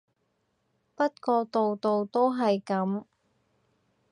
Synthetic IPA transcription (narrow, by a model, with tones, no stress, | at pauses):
pɐ˥t̚kɔː˧t̪o˨wt̪o˨wt̪o˥wɦɐ˨jkɐ˨˥m